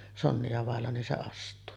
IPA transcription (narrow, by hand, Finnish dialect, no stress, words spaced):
sonːiɑ ʋɑˑelːɑ nin se ɑstˑuː